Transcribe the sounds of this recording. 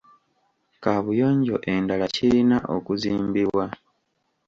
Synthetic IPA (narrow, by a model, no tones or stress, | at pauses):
kaːβujo̞ːɲɟo̞ʔe̞ndalaciinaʔo̞̰kuziːmbiβwa